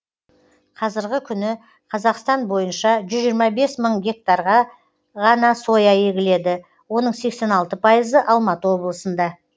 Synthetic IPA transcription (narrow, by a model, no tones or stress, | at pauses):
qʰɑzɪɾɡʲɪkʲʰʏnɪ | qʰɑzɑqst̪ɑnbo̞jənʃɑʒʏzʒiɾmɑbe̞sməɴɡʲe̞k̚t̪ɑɾʁɑ | ʁɑnɑso̞jɑje̞ɡʲɪle̞d̪ɪ | wo̞nəɴse̞kse̞nɑlˠt̪əpʰɑjəzəʔɑlˠmɑt̪əwo̞blˠəsənd̪ɑ